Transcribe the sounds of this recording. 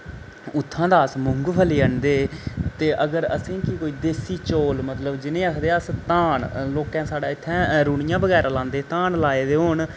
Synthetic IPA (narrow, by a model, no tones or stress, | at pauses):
ʊt̪ʰːãːd̪aːsmʊŋɡpʰəliːəɳd̪eːt̪eːʔəɡəɾə̰sĩːkɪkoːiːd̪eːsiːt͡ʃoːlmət̪ləbd͡ʒɪnẽːaːkʰd̪eːast̪ãːɳloːkãːsaːɽaːɪt̪ʰːɛ̃ːɾuːɳɪjãːbəɡɛːɾaːlãːnd̪eːt̪ãːɳlaːeːd̪eːɦoːɳ